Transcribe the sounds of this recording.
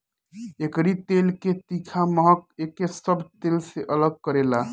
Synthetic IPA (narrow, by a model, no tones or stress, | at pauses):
ekɾit̪elket̪ikʰaməɦək̚ekesəbʱt̪elseʔələɡ̚kəɾela